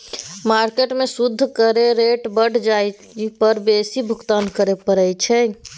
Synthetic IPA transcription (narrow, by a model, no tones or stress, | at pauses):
maɾkeʈmesud̪ʱːkəɾeɾeʈbəɽ̤d͡ʒaj | pəɾbesibʱʊkt̪ankəɾepəɾəjt͡ʃʰɛ